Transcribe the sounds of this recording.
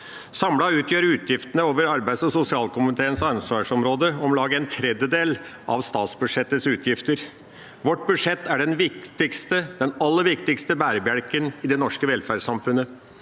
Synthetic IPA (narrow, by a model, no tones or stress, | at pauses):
sɑmlɑʉːt̪ʰjøːɾʉːt̪ʰjɪft̪ənəoːʋəɾɑɾbæɪd̪sɔsʊsɪɑːlkʊmɪt̪ʰeːənsɑɾsʋɑʂɔmɾoːd̪əɔmlɑːɡəɛnt̪ʰɾɛd̪jəd̪eːlʔɑ̰ʋst̪ɑːt̪sbʉ̥ʂɛt̪ːəsʉːt̪ʰjɪft̪əɾ | ʋɔʈːbʉd̪ʂɛt̪ːæɖɛnʋɪkt̪ɪkst̪əd̪ɛnɑlːəɾʋɪkt̪ɪkst̪əbæːɾəbjæɽkənɪd̪ɛnɔʂkəʋɛlfæːɖsɑmfʉnə